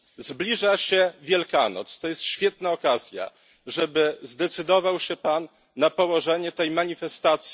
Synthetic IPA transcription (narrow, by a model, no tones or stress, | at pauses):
zblʲiʐaɕɛvʲjɛlkanɔ̰t̪st̪ɔjɛst̪ɕfʲjɛt̪naɔkazʲja̰ | ʐɛbɘzd̪ɛt̪sɘd̪ɔvawɕɛpanː | apɔwɔʐɛɲɛt̪ɛjmaɲifɛst̪at̪sʲji